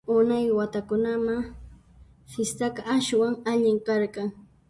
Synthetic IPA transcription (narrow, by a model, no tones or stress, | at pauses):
ʊnajwat̪akʊnama | fɪst̪akaʔːʃwaŋaʎɪŋkɑɾkɑŋ